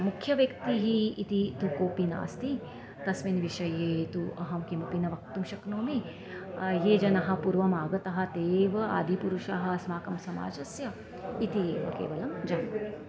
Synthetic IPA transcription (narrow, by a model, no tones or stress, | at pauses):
mukʰjɐʋjɐkt̪iɦiit̪it̪ukoːpina̰ːst̪i | t̪ɐsminʋiʃɐjeːt̪uʔɐɦɐmkimupinɐʋɐk̚t̪umʃɐknoːme | jeːd͡ʒɐnɐɦɐ̆puɾʋɐmaːɡɐt̪ɐɦɐ̆t̪eːʋɐa̰ːd̪ʱipuɾuʃaːɦɐ̆smaːkɐmsɐma̰ːd͡ʒɐsjɐ | it̪ieːʋɐ̰kḛːʋɐlɐmd͡ʒɐn